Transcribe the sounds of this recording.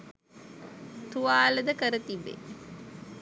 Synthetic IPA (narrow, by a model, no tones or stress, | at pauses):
t̪uʋaːləd̪əkəɾət̪ibːḛ